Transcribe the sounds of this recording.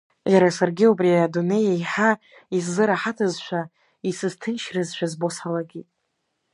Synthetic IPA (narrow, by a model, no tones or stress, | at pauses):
jaɾasarɡʲiupʼriadune̞jejħa | isːɨɾaħatʰɨzʃʷʰᶣa | isɨztʰɨnʃrɨzʃʷᶣazbo̞sħalaɡʲitʼ